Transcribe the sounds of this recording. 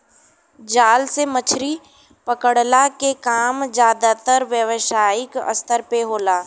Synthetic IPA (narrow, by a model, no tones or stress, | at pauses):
d͡ʒaːlsemət͡ʃʰɾi | pəkəɽlakekaːmd͡ʒjaːd̪at̪əɾʋjəʋʃaːɪkə̰st̪əɾpeɦoːlaː